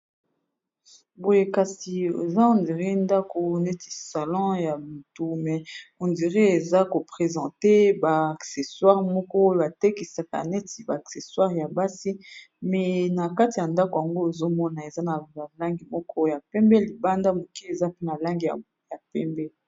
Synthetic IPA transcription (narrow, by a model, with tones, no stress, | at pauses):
bo˨je˨ka˨si˨ḛ˨za˦ɔ̃˨ndi˨ʁi˦nda˦ko˨nɛ˦ti̥˨sa˨lɑ̃˦ja˨mu˨tu˦mɛ˨ɔ̃˨ndi˨ʁi˦e˨za˦ko˨pχe˨zɑ̃˨te˦ba˨a˨kse˨swa˦ʁmɔ˦kɔ˦o˦ba˨te˦ki˨sa˨ka̰˨nɛ˦ti˨ba˨a˨kse˨swa˦ʁja˨ba˦si˦ | mɛ˨na˨ka˦ti˨ja˨nda˦ko˨ja˨ŋɡo˦e˨zo˦mɔ˦na˨e˨za˦na˨a˨la˦ŋɡi˨mɔ˦kɔ˦˨ja˨pɛ˦mbɛ˦li˨ba˦nda˦mo˨ki˦e˨za˦pe˦na˨la˦ŋɡi˨a̰˨ | ja˨pɛ˦mbɛ˦